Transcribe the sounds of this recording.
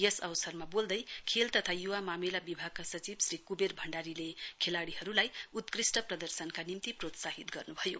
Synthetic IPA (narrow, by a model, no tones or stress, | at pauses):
jʌsʌbsʌrmabold̪ʌjkʰelt̪ʌt̪ʰajuwamamelabibʱaɡ̚kasʌt͡sibsrikuberbʱʌɳɖaɾilekʰelaɽiɦʌɾulajut̪krisʈʌprʌd̪ʌrsʌnkanimt̪iprot̪saɦit̪ɡʌrnubʱʌjo